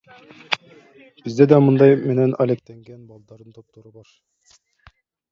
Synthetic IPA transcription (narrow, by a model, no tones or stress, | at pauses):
b̥ɘ̆zd̪æd̪æmɤnd̪ɑjmɘ̆nænɒlek̚t̪æŋɡænbɑlˠd̪ɑɾɤnt̪ʰop̚t̪ŏɾɤbɑɾ